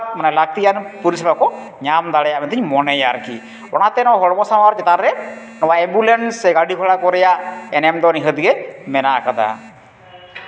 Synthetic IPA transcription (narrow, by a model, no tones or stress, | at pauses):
manɛlaɡ̚t̪ijanpuɾisɛbakɔ | ɲamd̪aɽɛjamɛnt̪ʰiɲmɔnɛjaɾkḭ | ɔ̰ñat̪ɛnɔɦɔɽmɔsamaɾt͡ʃɛt̪anɾɛ | nɔwaɛmbulensːɛɡaɽikʰɔɽakɔɾɛjaɛnɛmd̪ɔniɦəd̪iɡɛmɛnakad̪a̰